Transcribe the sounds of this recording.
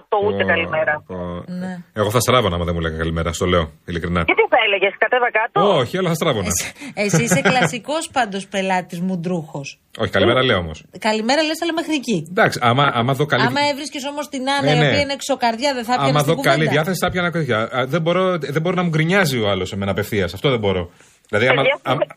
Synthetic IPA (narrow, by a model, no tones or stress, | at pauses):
t̪out̪eɐlimeɾɐoneeɣo̞θɐst̪ɾɐvonɐ̰mɐðemulḛɣɐkɐlimeɾɐst̪o̞leoilikɾinɐet̪iθɐeleʝeskɐt̪evɐkɐt̪ooçiolɐθɐst̪ɾɐvonnɐesisseklɐsiko̞spɐnd̪ospe̞lɐt̪izmud̪ɾuxo̞s | oçikɐlimeɾɐle̞oomo̞skɐlimeɾɐlesɐlɐmexɾicid̪ɐksiʔɐmɐʔɐmɐðo̞kɐliɐmɐevɾisceso̞mo̞st̪inɐnɐoneiɐinekso̞kɐɾðʝɐðeθɐpɐmɐðoukɐliðjɐθesi̥θɐpçɐnɐkɐjɐðebo̞ɾoðebo̞ɾonɐmuɡɾiɲɐzioɐlo̞seme̞nɐpe̞fθiɐsɐft̪oðembo̞ɾo̞ | ðilɐðiɐmɐɐɐ